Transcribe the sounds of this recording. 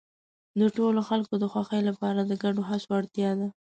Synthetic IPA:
d̪əʈoloxalkod̪əxwaxəjlapɑɾad̪əɡaɖoɦasoaɽt̪jɑd̪a

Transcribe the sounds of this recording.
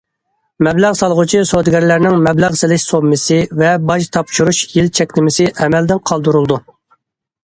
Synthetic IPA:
mɛblæʁsɑlˠʁʊt͡ʃʰisod̪ɡʲɛɾlæɾnɪŋmɛblæʁsɪlɪʃsobmɪsɨvɛbɑʃt̪ʰɑpʃuɾuʃjilt͡ʃʰɛkʲnɪmɪsɪʔɛmɛld̪ɪnqʰɑlˠd̪uɾulˠd̪u

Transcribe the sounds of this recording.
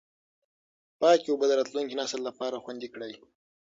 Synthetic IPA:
pɑːkiobəd̪əɾɑt̪luŋkinɑsəlːapɑɾaxwand̪ikɽaj

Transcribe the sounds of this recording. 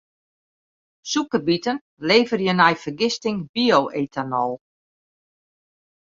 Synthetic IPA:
sukəbitən | leːvərjənɛjfərɡɪstɪŋbiowʔeːtʰanɔlˠ

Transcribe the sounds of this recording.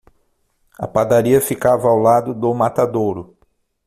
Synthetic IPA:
ɐ̰pad̪aɾiɐfikavɐawlad̪ʊd̪ʊmat̪ad̪oɾʊ

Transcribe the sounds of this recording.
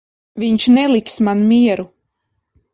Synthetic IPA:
viɲʃnɛlˠiksmanmiɛɾu

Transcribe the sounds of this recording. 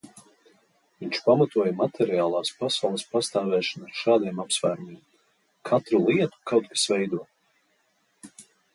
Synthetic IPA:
viɲt͡ʃpamat̪uɔjamat̪ʰɛɾiaːlˠaːspasawlˠispast̪aːvɛːʃanaɾʃaːd̪iɛmapsvæːɾumʲiɛm | kʰat̪ɾulˠiɛt̪u̥kawt̪̚kḁsvɛjd̪uɔ

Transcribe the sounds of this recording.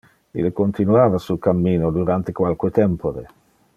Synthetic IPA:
ḭlekont̪inuaːvasukamːiːnod̪uɾant̪ekwalket̪ɛmpoɾḛ

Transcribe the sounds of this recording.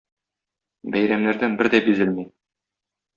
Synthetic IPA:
bæjɾæmnæɾd̪ænbɘɾd̪æbizɘlmi

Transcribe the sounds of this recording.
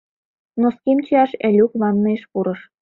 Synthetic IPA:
noskemt͡ɕiɑʃælʲukβɑnːɤeʃpuɾɤ̆ʃ

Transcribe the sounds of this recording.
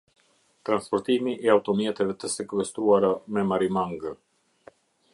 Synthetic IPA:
t̪ɾanspɔɾt̪imiʔɛawt̪ɔmjɛt̪ɛvɛt̪əsɛkwɛst̪uaɾamɛmaɾimaŋɡ

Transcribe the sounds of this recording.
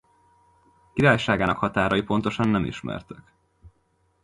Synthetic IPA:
kiɾaːjʃaːɡaːnɒ̰khɒt̪aːɾɒjipo̞nt̪o̞ʃɒnːɛmḭʃmɛ̰rt̪øk

